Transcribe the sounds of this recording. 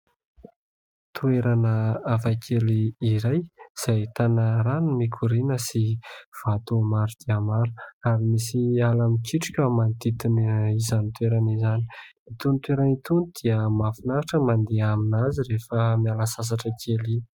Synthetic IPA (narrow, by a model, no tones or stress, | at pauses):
t̪ueɾanəafakʰeliiɾajz̥ajt̪anəɾanumikʰuɾinəsiv̥at̪umaɾud̪̥iaəmaɾuaɾimisialamikiʈ͡ʂu̥kʲəmand̪it̪inizanit̪ueɾanizani | it̪unit̪weɾanit̪unid̪̥iəmafinaɾaʈ͡ʂəmand̪eaminaziɾefəmialasas̬aʈ͡ʂəkʰeli